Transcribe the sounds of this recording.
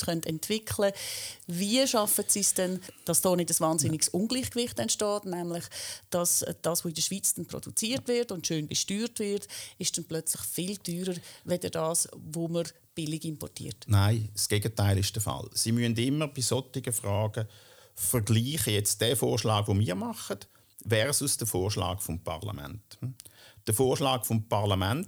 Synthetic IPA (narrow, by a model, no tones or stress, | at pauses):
χœntɛntvɪkʰləviəʃɑfətsisd̥ɛnd̥ɑsd̥ɔːnɪdəsvɑːnzɪnɪksʊnɡliːχkvɪχtɛntʃtɔːtnɛmlɪχd̥ɑsd̥ɑːsvoɪdəʃʋ̥iːt͡sd̥ɛnpro̰d̥ṵt͡siːəɾtvɪrtʊndʃøːnbəʃtyːrtvɪrtɪʃd̥ɛnplœt͡slɪχfɪld̥yːɾəɾʋɛdədɑːsvoməɾ | b̥ɪlɪɡɪmpɔ̰rtḭːɾtnaɪsɡ̥eːɡətaɪlɪʃd̥əfɑ̰lsimyəndɪmːəʁb̥ɪsɔtɪɡəfʁaːɡə | fəʁɡliːχəjɛt͡st̚d̥ɛːfoːʁʃlɑːɡ̥ʋomiːʁmɑχət | ʋɛːʁsusd̥əfoːʁʃlɑ̰ːɡfɔmpʰɑ̰ʁla̰mɛ̰nt | d̥əfoːʁʃlɑːɡfɔmpʰɑʁlamɛnt